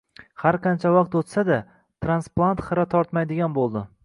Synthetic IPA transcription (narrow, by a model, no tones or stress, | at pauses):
haɾqʰɑnt͡ʃʰavɑq̚t̪ot̪sad̪a | t̪ʰɾansplˠant̪χɨɾat̪ʰɒɾt̪majd̪ɪɡʲanbolˠd̪ɪ